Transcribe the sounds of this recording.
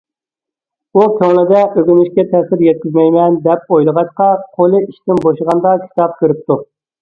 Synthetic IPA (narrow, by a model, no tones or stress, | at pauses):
ukʲʰoŋnɨd̪ɛʔøɡʲynyʃkʲɛt̪ʰɛsɪɾjɛt̪̚kʲizmɛjmɛnd̪ɛp̚ojlˠəʁɑʃqɑqʰolˠɨiʃt̪ɪnboʃəʁɑnd̪ɑkʲʰi̥t̪ɑp̚kʲyɾɪp̚t̪ʰu